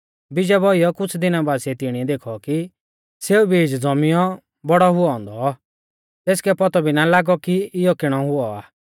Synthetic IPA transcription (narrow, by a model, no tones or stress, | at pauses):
bɪd͡ʒɛbɔijɔkʊt͡sʰd̪ɪnabaːsɛt̪ɪɽ̃iɛd̪eːkʰɔki | seːubiːd͡ʒd͡zɔmɪjɔ | bɔɽɔɦʊɔɔ̃ːnd̪ɔ | t̪eːskɛpɔt̪ɔbinalaːɡɔkiɪjɔkɪɽ̃ɔɦʊɔaː